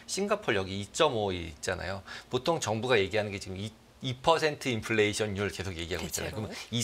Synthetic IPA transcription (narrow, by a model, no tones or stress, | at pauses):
ɕʰinɡapʰʌɭjʌɡiːt͡ɕ͈ʌmoit̚t͡ɕ͈ana̰jopotʰoŋt͡ɕʌŋbuɡaje̞ɡiɦanɯnɡe̞t͡ɕiɡɯmi | ipʰʌsʰe̞ntʰɯinpʰɯɭːeiɕʰʌɲɲuɾɯɭke̞sʰoɡje̞ɡiɦaɡo̰iit̚t͡ɕ͈a̰na̰jokmʌi